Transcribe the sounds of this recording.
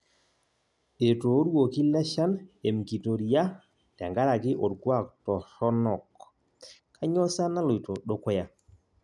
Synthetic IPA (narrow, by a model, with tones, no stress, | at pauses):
e˨toː˨˦ɾwo˨ki˦la˦ʃa˦ne˨mki˨to˨ɾi˨a˦ | tɛ̰˨ŋɡa˦ɾa˨kɪ˦ʔo˨ɾɡwa˦˨k̚tɔ˨ɾɔ˦nɔ˨k | kʰa˦ɲɔ˦sa˦na˦lo˨i˨to˨ɗo˦kɔ˦ja˨